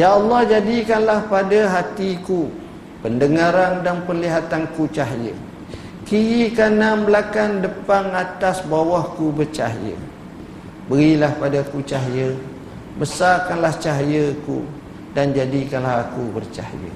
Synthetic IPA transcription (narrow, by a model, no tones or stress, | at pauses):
jaːlːɔhd͡ʒadikanlahpadaɦat̪iku | pəndəŋãɾandanpəliɦat̪ankut͡ʃaɦjə̰ | kijikanambəlakandəpaŋat̪asbawɔhkubərt͡ʃa̰ɦjə̰ | bəɾilahpadakut͡ʃaɦjə | bəsarkanlaht͡ʃaɦjəkṵ | dand͡ʒadikanlaɦakubərt͡ʃa̰hjə̰